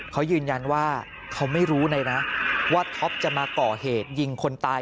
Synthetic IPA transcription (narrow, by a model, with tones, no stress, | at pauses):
kʰa˦˥wjɯː˧nja˧nwaː˥˩ | kʰa˦˥wma˥˩jɾuː˦˥na˧jna˦˥waː˥˩t̪ʰɔ˦˥p̚t͡ɕa˨˩maː˧kɔː˨˩heː˨˩t̪̚ji˧ŋkʰo˧nt̪aː˧